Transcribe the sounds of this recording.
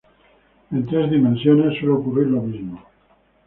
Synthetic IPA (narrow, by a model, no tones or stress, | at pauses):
e̞nt̪ɾe̞zðimẽnsjone̞sːwelookuriɾlomizmo